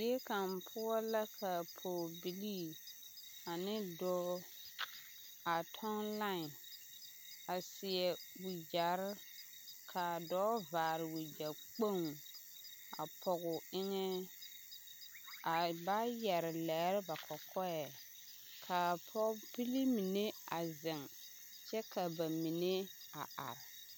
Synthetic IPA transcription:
i˦ɛ˦ka˨mpʰʊ˦ɔ˦la˦kʰa˨pʰɔ˨bi˨li˦ | a˨nɪ˦dɔː˦ | a˨tʰɔ˦nla˦˨n | a˨sɪ˨ɛ˨wi˨d͡ʒa˨ɾ | kʰa˨dɔː˨˦vaː˨ɾɪ˨wi˨d͡ʒa˨k͡po˦˨ŋ | a̰˨pʰɔ˨ɣʊ˨ɪ˦ŋɛ˦ | a˨ba˦jɛ˨ɾɪ˨lɛ˨˦ɾɪ˦ba˨kʰɔ˨kʰɔ˦ɛ˨ | kʰa˨pʰɔ˦pi˦li˦mi˨ne˦a˨zɪ˨ŋ | t͡ʃɛ˦kʰa˨ba˨mi˨ne˦ | a˨a̰˨ɾɪ˨

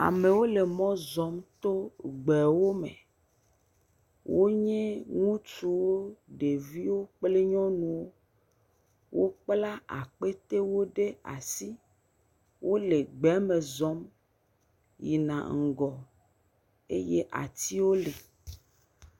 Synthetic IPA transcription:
a̰˨mẽ˨wo˦le˨mɔ̃˦zɔ˨˦mt̪o˦ɡ͡bɛ˨wo˦mḛ̃˨ | wʔo˦ɲɛ̃˦ŋũ˦t͡ʃu˨wo˦ɖe˨vi˦wo˦k͡ple˦ɲɔ̃˦nũ˨wo˦ | wʔo˦k͡pla˦a̰˨k͡pe˦t̪e˦wo˦ɖe˦a̰˨si˦ | wʔo˦le˨ɡ͡bɛ˨˦mẽ˨zɔ˦m | ji˨nã̰˨ŋ̩˨ɡɔ˨ | ḛ˦je˦ʔa̰˨t̪i˦wo˦le˨

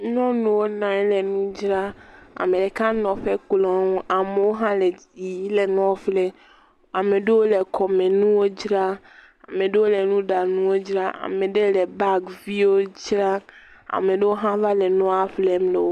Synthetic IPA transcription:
nɔ̃˦nũ˨wo˦nã˨ɛ˦le˨nũ˦d͡ʒɾa˦a̰˨mẽ˨ɖe˨kã˦nɔ̃˨ɸe˦k͡plɔ̃˨˦ŋũ˦ʔa˨me˨wo˦ɦã˦le˨ | ji˨i˦le˨nɔ̃˦flɛ˦ | a˨mẽ˨ɖe˦wo˦le˨kʰɔ˨mẽ˨nũ˦wo˦d͡ʒɾa˦ | a˨mẽ˨ɖe˦wo˦le˨nũ˦ɖa˨nũ˦wo˦d͡ʒɾa˦ʔa̰˨mẽ˨ɖe˦le˨ba˦ɡvi˦wo˦d͡ʒɾa˦ | a̰˨me˨ɖe˦wo˦ɦã˦va˦le˨nɔ̃˦a˨fle˦mle˨wo˦

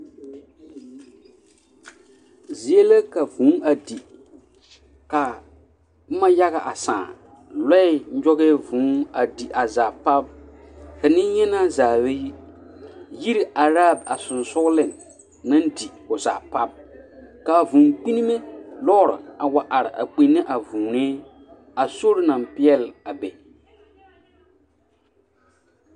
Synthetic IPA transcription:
zi˨e˦la˦ka˨vũ˨˦a˨di˨ | ka˨˦ | ma˦ja˦ɣa˨ʔa˨sã̰ː˨ | lɛ˦ɪ˦ɲ̩˦d͡ʒɔ˦ɣɛ˦vũ˨˦a˨di˨ʔa˨zaː˨pa˦b̚ | ka˨nɪ˦ɲɛ˦na˦zaː˨we˦ji˦ | ji˦ɾi˨ʔa˨ɾa˦˨b̚a˨sʊ˨nsʊ˦ɡlɪ˦nː | ã˦n˦di˨kʊ˨za̰ː˨pa˦b̚ka˨vũ˨ŋk͡pi˦ni˦me˦lɔː˦ɾɪ̰˨a˨wa˨ʔa˨ɾɪ˨ʔa̰˨k͡pi˨nːɪ˦ʔa˨vu˨neː˦ | a˨so˦ɾɪ˦na˨mpɪ˦ɛ˦la˨bɛ˨

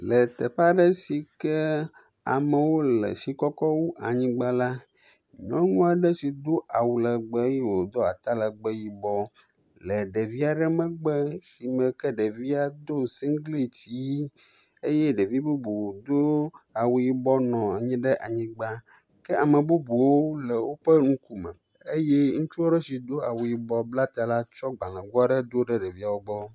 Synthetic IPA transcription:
lɛ˨t̪ɛ˨ɸa˦ɖɛ˦si˨kɛ˦ | a̰˨mə˨wo˦lɛ̰˨si˨kɔ˦kɔ˦wu˦ʔa˨ɲĩ˦ɡ͡ba˦la˦ | ɲɔ̃˦ŋũ˦a˨ɖɛ˦si˨d̪o˦ʔa˨wu˨lə˨ɡ͡bɛ˦ji˦wo˨d̪ɔ˦a˨t̪a˦lə˨ɡ͡bɛ˦ji˨bɔ˦ | lɛ˨ɖɛ˨vi˦a˨ɖɛ˦mɛ̃˦˨ɡ͡bɛ˦si˨mɛ̃˨kɛ˦ɖɛ˨vi˦a˨d̪o˦si˦ŋ˦ɡli˦t̪i˨˦ | e˦jɛ˦ɖe˨vi˦bu˦bu˨d̪o˦a˨wu˨ji˨bɔ˦nɔ̃˨a˨ɲĩ˦ɖɛ˦ʔa˨ɲĩ˨ɡ͡ba˦ | kɛ˦a˨mə̃˨bu˦bu˨wo˦lɛ˨wo˦ɸɛ˦ŋũ˦ku˦mɛ̰˨ | e˦jɛ˦ŋũ˦t͡ʃu˦a˦ɖɛ˦si˨d̪o˦a˨wu˨ji˨bɔ˦bla˦t̪a˨la˦t͡ʃɔ˦ɡ͡ba˨ŋã˨ɡu˦a˦ɖɛ˦d̪o˦ɖɛ˦ɖɛ˨vi˦a˨wo˦ɡ͡bɔ˦

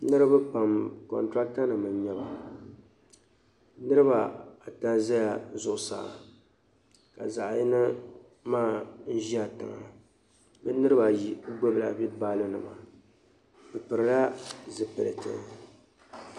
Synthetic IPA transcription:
nɨ˦ɾɨ˦ba˦pa˨mkɔ̰˨ntɾa˦k̚ta˦nɨ˨mɨ˨mɲɛ˦ba˨ | nɨ˦ɾɨ˦ba˨a˨ta˦za˦ja˨zʊ˨ʔʊ˨sa̰ː˨ | ka˨za˨ʔji˦nɨ˦ | maː˦˨n̩˦ʒi˦a˨tɨ̰˨ŋa̰˨ | bɨ˦nɨ˦ɾɨ˦ba˨ji˦˨˦ɡ͡bo˦bla˨bi˦baː˦lɨ˦nɨ˨ma˨ | bɨ˨pɨ˨ɾɨ˨la˦zɨ˨pɨ̰˨lɨ̰˨tɨ̰˦

